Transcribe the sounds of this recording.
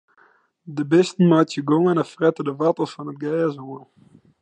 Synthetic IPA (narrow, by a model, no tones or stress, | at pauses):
dəbɪstn̩maːtjəɡoŋənəfrɛtədəvɑtəsfɑnət̚ɡɛːzoəlˠ